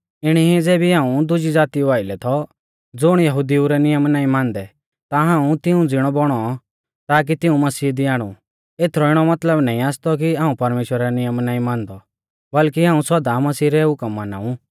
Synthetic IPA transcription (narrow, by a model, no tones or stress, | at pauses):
ɪɽ̃iɦid͡zɛːbiɦãːũd̪ʊd͡ʒid͡zaːt̪iuaːɪlɛt̪ʰɔ | d͡zʊɽ̃jɐɦʊd̪iuɾɛnɪjəmnaːĩmãːnd̪ɛ | t̪aɦãːũt̪ɪũd͡zɪɽ̃ɔbɔɽ̃ɔ | t̪aːk̬it̪ɪũmɐsiːd̪ɪjaːɽ̃ṵ | eːt̪ʰɾɔɪɽ̃ɔmɐt̪ləbnaːĩaːst̪ɔk̬iaːũpɐɾmeːʃwəɾnɪjəmnãːĩmãːnd̪ɔ | bɐlkiɦãːũsɐd̪amɐsiːɾɛɦʊkəmːana̰ːũ